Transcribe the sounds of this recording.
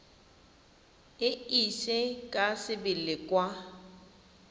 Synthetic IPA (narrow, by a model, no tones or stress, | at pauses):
ɪiʃɪkʼasɪbɪlɪkʼwa